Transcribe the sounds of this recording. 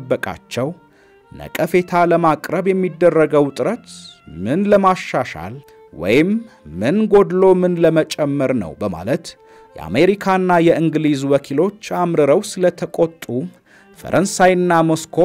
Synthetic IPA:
bːəkʼa̰t͡ʃːɛw | nə̰kʼəfe̞t̪ʰaləmakʼɾəβjɛmːid̪ːərːəɡəwt̪ʼɨɾət̪mɨnləmaʃːaʃa̰l | wɔ̰jɪmːɨnɡo̞d̪lo̞mɨnləmət͡ʃʼɛmːəɾnə̰wbəma̰lət̪ | jɛ̰a̰meɾikʰanːajɛʔɨŋɡlizwɔkʰilo̞t͡ʃːamɾɨɾəwsɨlət̪ʰəkʼot̪ʼːu | fə̰ɾʔənsajɨnːamoskʰo

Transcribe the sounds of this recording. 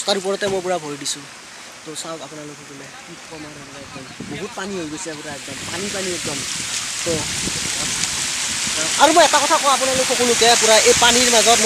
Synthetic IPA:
st̪aɾup̬ɔɾt̪ɔmop̬uɾabʱojɖisʰu | t̪osawtapnalokʰokulekikɔmaɾemɔɾaek̚d̪ʌmbɔɦut̪̚paniɦojɡosʰikuɾaek̚d̪ʌmpanipaniek̚d̪ʌmt̪o | aʌɾumɔet̪akɔt̪ʰakoap̬unalokʰokʰulũkepuɾaʔepaniɾmad͡zɔtm

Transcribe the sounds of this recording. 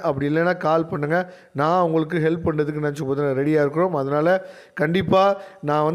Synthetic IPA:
ʔɐpːɐɽɪɪlːɛnːaːkaːlpɐɳːɯŋɡɐ | nãːɐʋʊŋɡɐɭɯk̬ːɯɦɛlpːpɐɳɖɐðɯk̬ːɯnɐt͡ʃːɯpoːðnaɾɛɽɪjaːɪɾɯkːɯɾõːmɐðɐnaːlɐ | kɐɳɖɪpːaːnãːʋɐn

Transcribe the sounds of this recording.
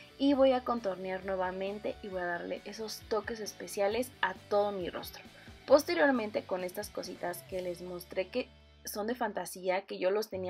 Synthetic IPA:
iβo̞jako̞nt̪o̞ɾnjaɾnwe̞βamẽ̞nt̪e̞ʔiβo̞jaðaɾle̞̰ʔeso̞st̪o̞ke̞se̞spe̞sjale̞sat̪o̞ð̞o̞miro̞̰st̪ɾo | po̞st̪e̞ɾjo̞ɾmẽ̞nt̪e̞ko̞ne̞st̪asko̞sḭt̪aske̞le̞zmo̞st̪ɾe̞ke̞ | so̞nd̪e̞fant̪asiake̞ʝo̞lo̞st̪e̞ni

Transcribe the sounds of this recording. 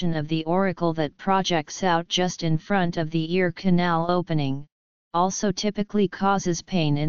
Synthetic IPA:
ɨ̃nʌvðiʔɔɹɨkl̩ˠðɨt̚pʰɹ̥ɑd͡ʒɛk̚tsaʊt̚d̥ʒ̥ʌstɨ̃nfɹʌ̃ntʌvðiɪɹkʰɨnælˠoʊpɨnɪ̃ŋ | ɔlˠsoʊtʰɪpɨklikʰɔzɨz̥pʰẽɪ̃nɨ̃

